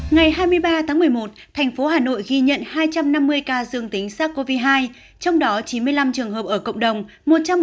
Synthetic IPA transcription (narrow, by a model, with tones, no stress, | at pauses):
ŋa˨˩jɦaː˧jmɨ˧əjɓaː˧t̪ʰaː˨˦ŋmɨ˨˩əjmo˨˩t̚t̪ʰɛ˨˩jŋ̟fo˨˦haː˨˩no̰˧˨jɣi˧ɲə̰˧˨nhaː˧jt͡ɕa˧mna˧mːɨ˧əjkaː˧zɨ˧əŋt̪ï˨˦ŋ̟saː˦˥t̚ko˧vi˧ɦaː˧j | t͡ɕɔ˧wŋ͡mɗɔ˨˦t͡ɕi˨˦nmɨ˧əjla˧mt͡ɕɨ˨˩əŋɦəː˨˩p̚ʔəː˧˩kə̰˧˨wŋ͡mɗə˨˩wŋ͡m | mo˨˩t̚t͡ɕa˧m